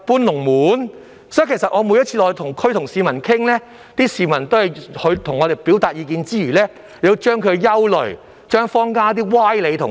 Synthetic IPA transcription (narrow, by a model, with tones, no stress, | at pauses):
puː˥nlʊ˨˩ŋmuː˨˥n | sɔː˨˥jkʰjsɐ˨t̚ʔŋɔː˨˧muː˨˧jɐ˥t̚t͡sʰiː˧lɔː˨˧jt̪ʰʊ˨˩ŋkʰt̪ʰʊ˨˩ŋsiː˨mɐ˨˩nkʰɪ˥ŋlɛː˥ | t̪iː˥siː˧mɐ˨˩nt̪o˥whɐ˨jhɵ˨˧t̪ʰʊ˨˩ŋːɔː˨˧ɾe˨˩jpiː˨˥wt̪aː˨t̚jiː˧kiː˧nt͡siː˥jyː˨˩lɛː˥ | le˨˧t͡ʃœː˥ŋkʰɵ˨˧jɐ˥wlɵ˨˩ɥ | t͡ʃœː˥ŋfɔː˥ŋkaː˥t̪̬iː˥waː˥jle˨˧jt̪ʰʊ˨˩